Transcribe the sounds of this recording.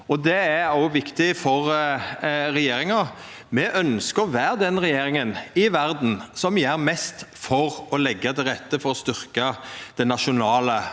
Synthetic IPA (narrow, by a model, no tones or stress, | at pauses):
ɔd̪ɛæɔʋɪkt̪ɪfɔɾ | ɾɛjeːɾɪŋɑ | mɛʔœnskəɾʋæːɾd̪ɛnɾɛjeːɾɪŋənɪʋæɾd̪n̩sɔmjæːɾmɛst̪fɔɾɔlɛɡːəd̪ɛɾɛt̪ːəfɔɾɔst̪ʏɾkəd̪̥ɛnɑʃʊnɑːlə